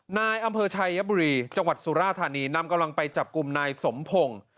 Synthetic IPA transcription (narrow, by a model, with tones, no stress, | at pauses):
naː˧jʔa˧mpʰɤː˧t͡ɕʰa˧jːa˦˥buː˧ɾiː˧t͡ɕa˧ŋwa˨˩t̪̚suː˨˩˦ɾaː˥˩t̪ʰːaː˧niː˧na˧mka˧mla˧ŋpa˧jt͡ɕa˨˩p̚ku˧mnaː˧jso˩˦mpʰo˧ŋ